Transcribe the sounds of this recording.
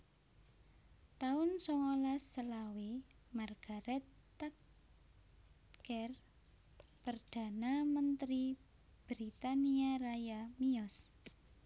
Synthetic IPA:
t̪aʊnsɔŋolasːəlawi | marɡ̥a̤ɾɛt̪ː | ak | kɛr | pərd̪̥a̤namənt̪ɾi | b̥ɾit̪aniarajamiɔs

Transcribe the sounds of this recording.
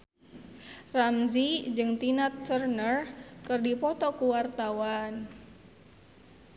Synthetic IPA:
ramzid͡ʒɨŋt̪inat̪̚t͡ʃərnərkɨrdipɔt̪ɔkuwart̪awan

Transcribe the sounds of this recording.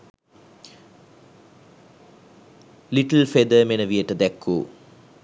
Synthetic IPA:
liʈəlfed̪əmenəʋijəʈəd̪ækʰːṵː

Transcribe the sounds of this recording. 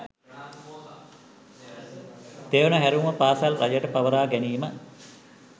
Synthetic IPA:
t̪eːʋənəɦæɾuːməpaːsalrajəʈəpaʋəɾaːɡæniːmə

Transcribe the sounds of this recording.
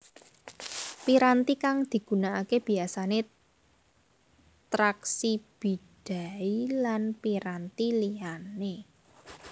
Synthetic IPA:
piɾant̪ikaŋd̪̥i̤ɡ̥ṳnaakeb̥i̤asane | t̪ɾaksib̥i̤d̥a̤ilanpiɾant̪iliane

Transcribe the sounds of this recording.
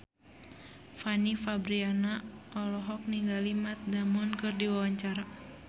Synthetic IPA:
fanifabɾianaʔɔlɔɦɔk̚niŋɡalimat̪̚damɔnkɨrdiwawaɲt͡ʃaɾa

